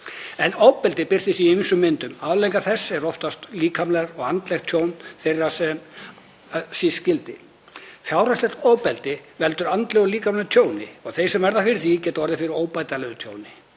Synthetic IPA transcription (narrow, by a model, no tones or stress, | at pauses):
ɛnowpɛlt̪ɪpɪr̥θɪsiejmɪnsʏmːɪnt̪ʏmavlejŋkaθɛsːɛɾɔft̪ast̪liːkamlɛɾɔɣant̪lɛxt̪ʰjoːwnθejrḁsɛm | siscɪlt̪ɪ | fjaːwɾaslɛxt̪oːwpɛlt̪ɪvɛl̪t̪ʏɾant̪lɛɣʏliːkamlɛɾt̪ʰjoːwnɪ̰ɔɣθejsɛmvɛɾðafɪɾɪθicɛːt̪ɔɾðɪfɪɾɪɾoːwpajt̪alɛɣʏt̪ʰjo̰ːwnɪ